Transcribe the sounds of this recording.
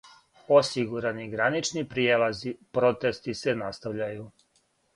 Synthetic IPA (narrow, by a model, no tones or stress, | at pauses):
o̞siɡuɾaniɡɾanit͡ʃnipɾijelazipɾo̞t̪e̞st̪ise̞nast̪aʋʎaju